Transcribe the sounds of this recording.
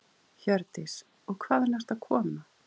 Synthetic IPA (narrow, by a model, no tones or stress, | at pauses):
çœɾt̪ɪs | ɔɣkʰvaːðɛnast̪aðkʰɔːma